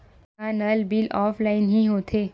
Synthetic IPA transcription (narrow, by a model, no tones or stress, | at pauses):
aːnəlbɪlɔːpfʰlaːɪnɦĩɦoːt̪ʰeː